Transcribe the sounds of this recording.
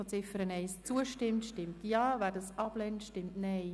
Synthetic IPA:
ɔt͡sɪfəɾənɛɪst͡suəʃtɪmtʃtɪmtjɑːvæːɾdɑsɑb̥lɛntʃtɪmtnɛɪ

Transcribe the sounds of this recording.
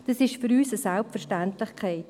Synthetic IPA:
d̥ɑsɪʃfʏɾyːsəsalp̚fəɾʃtantlɪχkʰɛɪt

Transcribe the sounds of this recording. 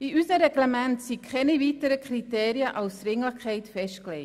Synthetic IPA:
iysəɾɛɡlɛmɛntsikʰχɛniviːtəɾəkχriteːɾiəʔɑwsɾɪŋləχkʰχɛɪtfɛʃt̚klɛɪ

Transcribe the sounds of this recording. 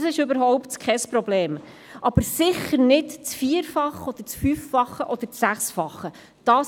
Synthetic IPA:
sɪʃɵbəɾɦɔʊpt̪kʰɛspɾɔbleːm | ʔɑb̥əɾsɪχəɾnɪtt͡sfiəɾfɑχɔd̥̪əɾt͡sfyfːɑχəʔɔd̥̪əɾsæχsfɑχːə | d̥ɑː

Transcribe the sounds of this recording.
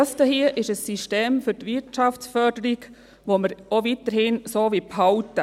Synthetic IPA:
stəhiəʔɪʃəsːiʃteːmfʏtʋɪɾtt͡ʃɑft͡ssfœɾdəɾiɡ | ʋoməɾovitəɾhɪnsoːʋiphɑwtə

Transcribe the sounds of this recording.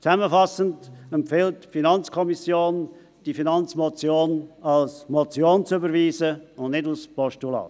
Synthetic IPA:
t͡sɛməfɑsəntɛmpfɪltfinɑnt͡skʰɔmisjoːn | d̥ifinɑnt͡smɔt͡sjoːnɑlsmɔt͡sjoːnt͡sybəɾviːzəʊndnɪdalspɔʃtulɑ̰ː

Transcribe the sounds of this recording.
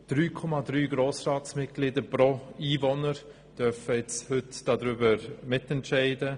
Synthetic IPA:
d̥ɾyːkʰɔmadɾyːɡɾoːsraːtsmɪt̚ɡ̥lɪdəpɾoiːvɔnəɾ | d̥œfəɛt͡shʏtd̥ɑdɾʏbəmɪtɛntʃɛɪdə

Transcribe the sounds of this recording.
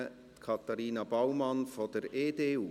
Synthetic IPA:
tkʰɑt̪ɑɾiːnɑbawmɑnfɔd̥əɾeːdeːuː

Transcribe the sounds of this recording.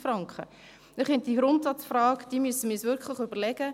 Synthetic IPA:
fɾɑŋkχə̰ | nɪχɪnt̚d̥iɡɾʊntsɑtt͡sfrɑːkd̥iːmyəsəmɪsvʏɾkχlɪχybəlɛɡə

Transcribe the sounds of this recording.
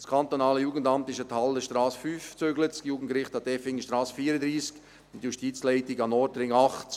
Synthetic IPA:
skʰɑnt̪onɑːləjuːɡən̩dɑmt̪ɪʃəthɑləʃtɾɑːsfyːft͡søɡlətsjuːɡən̩tkɾɪχtɑdɛfɪŋʃtɾɑːsəfiːɾəd̪ɾiːsk | ʊnt̪juʃtit͡slɛɪtɪɡɑnɔɾdəɾɪŋɑχt

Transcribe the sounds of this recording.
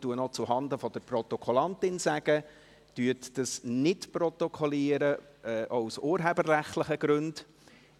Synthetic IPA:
tuənɔt͡suɦɑnd̪əfɔd̥̪əɾprɔt̪ɔkʰɔlɑntɪnsæɡ̥ə | tyətd̥əsnɪtpɾɔt̪ɔkʰɔliːəɾə | ɛːʔɔʊsuːɾɦebərːæχtləχəɡ̥ɾʉnd

